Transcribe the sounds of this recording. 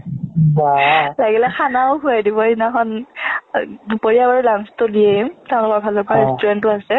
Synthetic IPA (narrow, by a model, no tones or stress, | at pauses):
balaɡilɛxʰanaʊɦujadibɔinaxɔn | upoɹijabaɹilaŋstʊdiɛmteʊ̃lʊkɔɹbʱalɔpaɹɛstuɹɛntʊasɛ